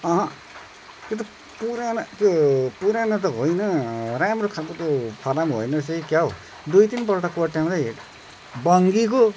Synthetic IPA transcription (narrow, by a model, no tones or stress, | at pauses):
ʌɦʌ̃ | t̪jot̪ʌ | puɾanʌk̪opuɾanʌt̪ʌɦojnʌɾamrokʰalkot̪opʰʌɾamɦo̰jnʌsʌkjaɦo | d̪ujt̪inpʌɾʈakoʈjamd̪a | bʌŋɡiko